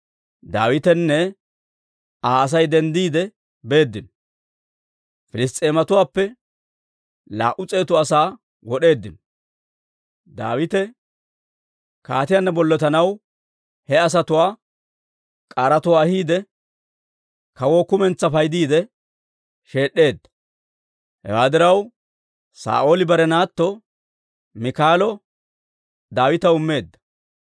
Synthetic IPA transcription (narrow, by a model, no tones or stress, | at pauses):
d̪aːwɪt̪ɛnːɛ | aːs̬ɐjd̪ɛnd̪iːd̪ɛ | be̞ːd̪ːɪn | fɪlɪst̪ʼe̞ːmɐt̪ʊwaːpːɛ | la̰ːʔʊt͡sʼe̞ːt̪ʊɐsaː | wɔɗe̞ːd̪ːɪn | d̪a̰ːwɪt̪ɛ | kaːt̪ɪjanːɐbɔlːɔt̪ɐnɐw | hɛɐs̬ɐt̪ʊwaː | kʼaɾɐt̪ʊwaːhiːd̪ɛ | kɐwoːkʊmɛnt͡sːɐfɐjd̪iːd̪ɛ | ʃe̞ːɗːe̞ːd̪ːɐ̥ | hɛ̰waːd̪ɪɾɐw | sa̰ːʔoːlɪbɐɾɛnaːt̪ːɔ | mɪkaːlɔ | d̪aːwɪt̪ɐʊmːe̞ːd̪ːɐ̥